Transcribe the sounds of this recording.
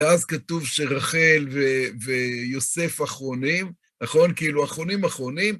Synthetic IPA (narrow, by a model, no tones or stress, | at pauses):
eazkatuvʃeʁaχe̞lveve̞jo̞se̞faχʁo̞nim | naχo̞nkiiluaχʁo̞nimaχʁo̞nim